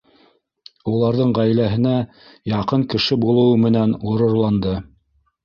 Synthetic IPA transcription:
ulˠɑɾðɤɴʁæjlæɦɘ̆næ | jɑqɤɴkɘ̆ʃɘbulˠɤ̆wɤmɘ̆nænuɾɤ̆ɾlˠɑnd̪ɤ

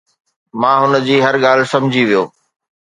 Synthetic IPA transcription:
mãːɦʊn̆d͡ʑiːɦɐɾɠaːl̤sɐ̃md͡ʑʱiʋijoː

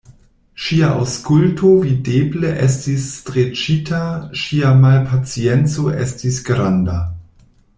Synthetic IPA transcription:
ʃiaʔa̰wskultʰovidebleʔɛstisːtʁet͡ʃitʰaʃiamalpʰat͡sient͡soʔestisɡɾanda̰

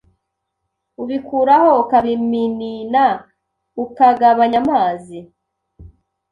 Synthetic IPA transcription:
uβikuːɾaho̞ukaβiminina | ukaɡaβaɲamaːzi

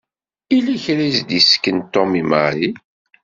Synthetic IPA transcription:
iliçɾizd̪iskːənt̪ɔmima̰i

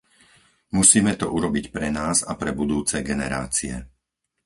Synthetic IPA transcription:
musiːmɛt̪ɔʔuɾɔbicpɾɛnaːzapɾɛbud̪uːt͡sɛɡɛnɛɾa̰ːt͡siɛ̰

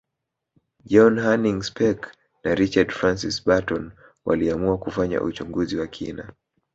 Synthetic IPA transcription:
d͡ʒɔnhaniŋspɛk | naɾit͡ʃadfɾansisbatɔn | wa̰liamuakufaɲa̰ʔut͡ʃuŋɡuziwakʰina

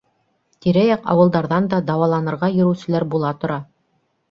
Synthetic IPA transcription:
t̪iɾæjɑqɑ̰wɤ̆lˠd̪ɑɾðɑnd̪ɑd̪ɑwɑlˠɑnɤ̆ɾʁɑjɵ̆ɾɘ̆wsɘ̆læɾbulˠɑt̪ŏɾɑ

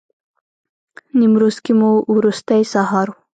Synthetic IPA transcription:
nimɾozkimuwɾust̪ajsaɦɑɾu

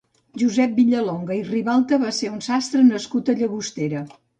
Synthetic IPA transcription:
ʒuzɛp̚biʎəloŋɡəiriβalˠt̪əβaseunsast̪ɾənəskut̪əʎəɣust̪eɾə

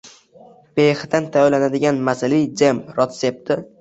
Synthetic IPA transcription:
behd̪ant̪ʰajlanad̪ɪɡʲanmasɪlijd͡ʒemɾɒt̪sep̚t̪ɪ

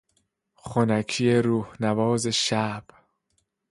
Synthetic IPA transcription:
χonækʰijeɾuːhnævɒːzeʃæb̥

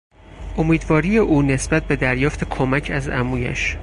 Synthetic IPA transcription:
ʔomiːd̪vɒːɾiːjeʔuːne̞sbæt̪̚ʰbe̞d̪æɾjɒːft̪ʰe̞kʰomæcʰæzæmuːjæ̰ʃ

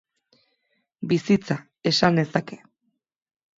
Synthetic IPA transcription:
bisit͡sa | e̞sand̪e̞sake̞

